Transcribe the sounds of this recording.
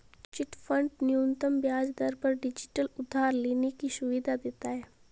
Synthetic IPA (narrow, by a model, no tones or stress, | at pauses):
t͡ʃɪʈfʰɐ̃ɳɖnjoːnt̪əmbjaːd͡ʒd̪ɐɾpɐɾɖɪd͡ʒɪʈəlʊd̪ʱːaːɾleːnekiʃʊʋid̪ʱad̪eːt̪aɦɛː